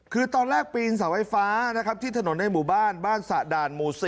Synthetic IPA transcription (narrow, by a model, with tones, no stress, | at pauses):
kʰɯː˧t̪ɔː˧nɾɛː˥˩k̚piː˧ns̬a˩˦wa˧˩jfaː˦˥na˦˥kʰa˦˥p̚t̪ʰiː˥˩t̪ʰa˧no˩˦nːa˧jmuː˨˩baː˥˩nbaː˥˩nsa˨˩daː˧nmuː˧si˧